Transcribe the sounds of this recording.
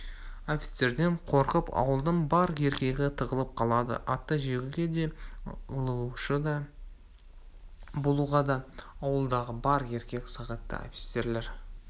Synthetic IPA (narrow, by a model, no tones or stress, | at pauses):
ofʲi̥t̪se̞ɾd̪e̞ɴqʰo̞ɾqəpɑ̰wəlˠd̪əɴbɑɾe̞ɾkʲe̞ɡʲɪt̪ʰəʁəlˠəp̚qʰɑlˠɑd̪ə̰ʔɑt̪ːəʒe̞ɡʲɪɡʲed̪e̞ʊuʃəd̪ɑ | bolˠuʁɑd̪ɑːwəlˠd̪ɑʁəbɑɾe̞ɾkʲe̞kʲsɑʁɑt̪ːə̰o̰fʲi̥t̪se̞ɾlʲe̞ɾ